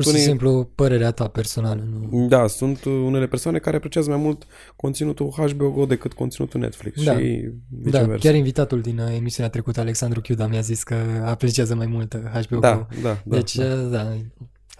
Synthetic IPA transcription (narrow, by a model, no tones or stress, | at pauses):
uɾʃisemplupəɾe̞ɾeat̪ape̞rso̞nalənud̪asunt̪une̞le̞persoane̞kaɾeapɾe̞t͡ʃiazəmajmult̪ | ko̞nt̪sinut̪uxaʃbeoɡod̪e̞kɨt̪̚ko̞nt̪sinṵt̪unḛt̪flḭkssd̪aḭvid̪av̰kʲjaɾinvit̪at̪uld̪ine̞misiuneat̪ɾekut̪əaleksand̪ɾukjʲud̪amjaziskəapɾet͡ʃiazəmajmult̪ɦaʃbeod̪aod̪ad̪et͡ʃʲəd̪a